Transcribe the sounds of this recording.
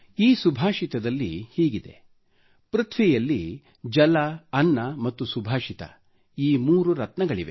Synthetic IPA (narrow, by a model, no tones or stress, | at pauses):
iːsubʱaːʃit̪ɐd̪ɐlːḭhiːɡid̪e̞̰ | pɾɐt̪ʰʋijɐlːi | d͡ʒɐlɐːnːɐmɐt̪ːusubʱaːʃit̪ɐ̰ | iːmuːɾuɾɐt̪nɐɡɐɭiʋe̞̰